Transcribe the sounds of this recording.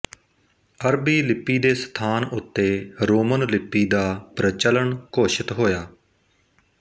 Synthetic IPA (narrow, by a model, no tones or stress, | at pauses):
əɾbiːlɪpːiːd̪eːst̪ʰaːnʊt̪ːeːɾoːmənlɪpːiːd̪aːpɾət͡ʃələɳkoːʃɪt̪ɦoːjaː